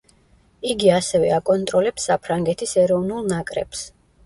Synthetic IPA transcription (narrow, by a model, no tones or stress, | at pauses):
iɡiasɛvɛakʼɔnt̪ʼɾɔlɛpsːapʰɾaŋɡɛt̪ʰisɛɾɔvnulˠnakʼɾɛ̰ps